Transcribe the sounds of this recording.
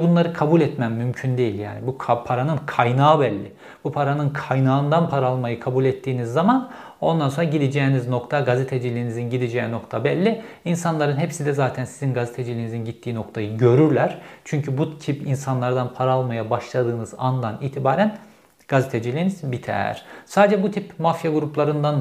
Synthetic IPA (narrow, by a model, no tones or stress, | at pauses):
bunlˠaɾɯkʰabulʲɛt̪mæmːymcʰynd̪e̞jilʲja̰ːnibukʰpʰaɾanɯnkʰajnaːbɛlʲːɪ | bupʰaɾanɯnkʰajnaːɯnd̪anpʰaɾalˠmajɯkʰabulʲɛt̪ːiːnizːaman | o̞nd̪anso̞nɾaɟid̪id͡ʒɛːnizno̞kt̪ʰaɡazet̪ʰed͡ʒilʲiːnizinɟid̪id͡ʒɛːno̞kt̪ʰabɛlʲːi | insanlˠaɾɯnɦepsid̪ɛzaːt̪ʰænsizinɡazet̪ʰed͡ʒilʲiːnizinɟit̪ʰːiːno̞kt̪ʰajɯɟø̞ɾyɾlʲæɾ̥t͡ʃʰyɲcʰybut̪cʰipinsanlˠaɾd̪anpʰaɾalˠmajabaʃlˠad̪ɯːnɯzand̪aniːt̪ʰibaːɾæn | ɡ̥azet̪ʰed͡ʒilʲiːniz̥bit̪ʰɛ̰ɾ̥saːd̪ed͡ʒɛbut̪ʰipmafjaɡuɾuplˠaɾɯnd̪an